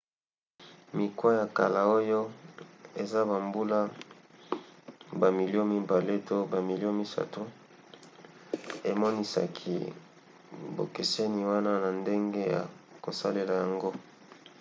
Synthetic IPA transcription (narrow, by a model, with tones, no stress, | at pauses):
mi˨kwa˦ja˨ka̰˨la˨o˦jo˦ | e˨za˦ba˨mbu˦la˦ | ba˨mi˨li˦o˦mi˦ba˨le˦to˦ba˨mi˨li˦o˦mi˦sa̰˨to˦ | e˨mɔ˦ni˦sa̰˨kʰḭ˨ | bo̰˨ke˨se˦ni˨wa˦na˦na˨nde˦ŋɡe˦ja̰˨ko˨sa̰˦le˨la˨ja˨ŋɡo˦